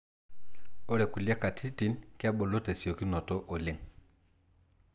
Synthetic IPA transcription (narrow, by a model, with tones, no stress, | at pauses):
o˦ɾɛ˨ku˨li˦a˦ka˨tʰi˦ti˨˦nke˦a˦ɓɔ˨lo˦te˨si˨o˨ki˦nɔ˨tɔ˦ʔo˨le˦ŋ